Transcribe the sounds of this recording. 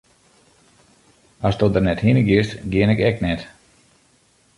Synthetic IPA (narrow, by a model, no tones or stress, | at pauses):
asdɔdərnɛthinəɡjɪəstɡjɪənɛkɛknɛt